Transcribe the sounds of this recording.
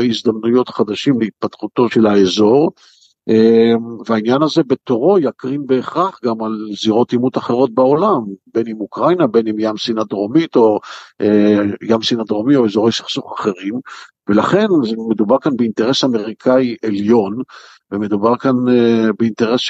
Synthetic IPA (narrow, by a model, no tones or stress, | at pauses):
eizd̪amnujo̞t̪χad̪aʃimleit̪̚pat̪χuto̞ʃe̞laezo̞ʁ | eveainjanaze̞bet̪o̞ʁo̞jakʁimbe̞ːχʁaχɡamalziʁo̞timut̪aχe̞ʁo̞t̪̚beo̞lambe̞nimukʁajnabe̞nimjamsinad̪ʁo̞mit̪o̞ | jamsinadʁomio̞ezo̞ʁejsi̥χsuχaχe̞ʁim | velaχe̞nzemed̪ubaʁkanbeint̪e̞ʁesame̞ʁikʰaiʔeljo̞n | veme̞d̪ubaʁkanbeint̪e̞ʁes